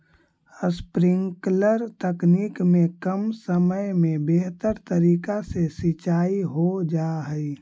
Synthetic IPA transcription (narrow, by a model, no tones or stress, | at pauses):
əspɾɪ̃ŋkləɾt̪əkniːkmẽkəmsəməjmẽbeɦt̪əɾt̪əɾiːkasesɪt͡ʃaːiɦod͡ʒaːɦəi